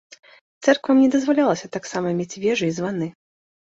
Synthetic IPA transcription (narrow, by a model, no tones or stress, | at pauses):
t̪sɛrkvɐmnʲɛd̪ɐzvalʲalˠɐsʲɐt̪aksamɐmʲet͡sʲvʲɛʐɨizvanɨ